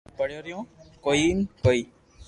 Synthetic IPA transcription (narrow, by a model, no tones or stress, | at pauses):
pəɽjoɾjõːkoinkoi